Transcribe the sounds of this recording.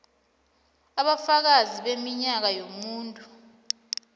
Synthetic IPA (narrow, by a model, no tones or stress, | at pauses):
aɓafak̬aziɓemiɲak̬ajomuːntʼu